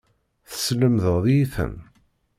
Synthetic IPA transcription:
θə̥sləmðəʁðiiθə̰n

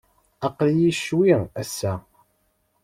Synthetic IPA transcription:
ɑqljiʃwiæsːæ

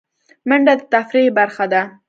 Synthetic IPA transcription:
məɳɖad̪ət̪afɾibaɾxad̪a

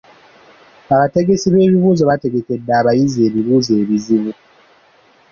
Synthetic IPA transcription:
aβate̞ɡe̞siβe̞ːβiβuːzoβate̞ɡe̞ke̞dːaːβajize̞ːβiβuːzeːβiziβu

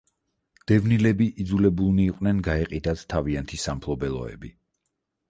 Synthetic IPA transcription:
d̪̥ɛvnilɛbiʔid̪zulɛbulˠniːqʼnɛnɡaɛqʼid̪at̪t̪ʰaviant̪ʰisampʰlˠɔbɛlˠɔ̰ɛ̰bi

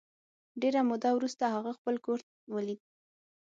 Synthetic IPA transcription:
ɖeɾamʊd̪awɾust̪ahaɣaxpəlkoɾt̪̚ | wəlid̪

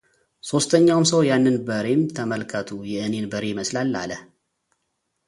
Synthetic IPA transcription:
so̞st̪ʰəɲːawmsəwjanːɨnbəɾe̞mt̪ʰəməlkʰət̪ʰujɛʔɨne̞nbəɾe̞məslalːa̰ləh

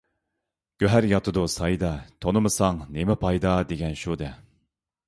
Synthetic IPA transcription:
ɡ̥ʲøɦæɾjɑt̪ʰɨd̪usɑjd̪ɑt̪ʰonɨmɨsɑŋnemɪpʰɑjd̪ɑd̪eɡʲɛnʃud̪ɛ

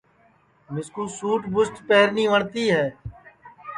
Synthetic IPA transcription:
mɪskuːsuːʈbʊsʈpɛːɦəɾniːʋəɳt̪iːɦɛː

